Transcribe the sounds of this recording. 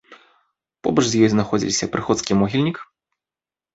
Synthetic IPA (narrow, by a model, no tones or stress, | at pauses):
pɔ̰bɐʂzʲjɔjznaxɔd͡zʲḭlʲsʲɐpɾɨxɔt̪skʲimɔɣʲilʲnʲik